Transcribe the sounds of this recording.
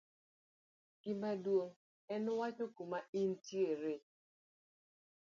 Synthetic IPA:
ɡ̥ɪmadwoŋ | ɛnʊwat͡ʃokumaintjeɾe

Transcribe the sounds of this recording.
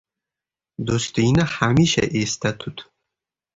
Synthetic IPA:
d̪ost̪ɪŋnɪhamiʃa̰ʔest̪ʰat̪ʰʊt̪

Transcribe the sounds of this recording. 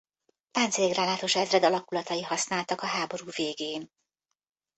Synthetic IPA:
t̪aːnt̪seɡraːnlaːt̪o̞ʃɛzrɛd̪ɒlɒkulɒt̪ɒjihɒsnaːlt̪ɒkɒɦaːbo̞ɾuːveːɡeːn

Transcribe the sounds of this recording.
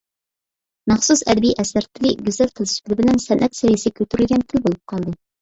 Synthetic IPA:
mɑχsusæ̰d̪biʔæsæɾt̪ʰɪ̆liɡʲyzælt̪ʰəlʃp̪ʰɪlɪbɘ̆lænsænʔæt̪sæjɪsɪkʲʰylt̪yɾylɡʲænt̪ʰɪlʲbolˠɨp̚qʰɑlˠd̪ɤ

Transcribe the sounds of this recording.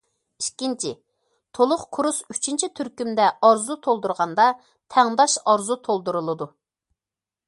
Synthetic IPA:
ikʲːint͡ʃʰɪ̰ | t̪ʰolˠʊχkʰuɾusyt͡ʃʰint͡ʃʰit̪ʰyɾkʲymd̪ɛɑɾzut̪ʰolˠd̪uɾʁɑnd̪ɑ | t̪ʰɛŋd̪ɑʃɑɾzut̪ʰolˠd̪uɾulˠɨd̪u

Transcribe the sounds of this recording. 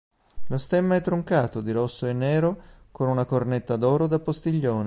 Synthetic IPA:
lost̪ɛmːaɛt̪ːɾoŋkaːt̪od̪iɾɔsːoenːɛːɾo | konunakornet̪ːad̪ɔːɾod̪apːost̪iʎːoːne

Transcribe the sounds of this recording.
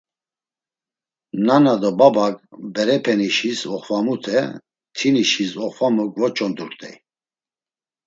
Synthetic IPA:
nanad̪ɔbabakʼbɛɾɛpʰɛniʃisɔχvamut̪ʰɛ | t̪ʰiniʃisɔχvamuɡvɔt͡ʃʼɔnd̪uɾt̪ʼɛ̰j

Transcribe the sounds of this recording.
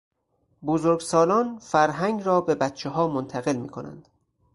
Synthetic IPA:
bozoɾɡsɒːlɒːnfæɾɦæŋɡɾɒːbe̞bæt̪̚t͡ʃʰeɦɒːmont̪ʰæɣe̞lmḭːkʰonæ̰nd̪̥

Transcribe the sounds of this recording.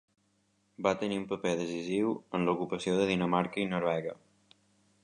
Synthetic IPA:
bat̪əniumpəpeðəsiziwənləukupəsioðəðinəmaɾkəinoɾβɛɣə

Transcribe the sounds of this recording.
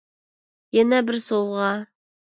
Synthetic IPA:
jɛnɛbɪɾsowˠʁɑ

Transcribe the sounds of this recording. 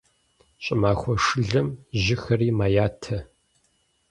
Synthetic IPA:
ɕʼɪmaːxʷɔʂɨɮɐmʑɪxɐriːmaːjaːtʰɐ

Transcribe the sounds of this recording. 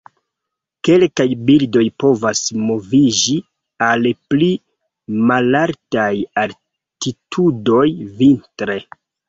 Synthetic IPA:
ke̞lkajbildo̞jpo̞vasmo̞vid͡ʒi | alpli | malaɾtajal | titʰudo̞jvintɾe̞

